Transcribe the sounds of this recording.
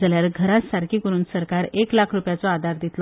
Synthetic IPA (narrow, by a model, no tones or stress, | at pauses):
d͡zaljaɾɡʱəɾat̪saɾkʰiːkəɾuːnsəɾkaɾeklakʰɾupjat͡sɔad̪ʱaɾd̪it̪l